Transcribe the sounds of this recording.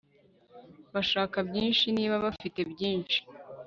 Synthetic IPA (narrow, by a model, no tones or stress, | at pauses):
βaʃaːkabɟiːnʃiniːβaβafite̞bɟiːnʃi̥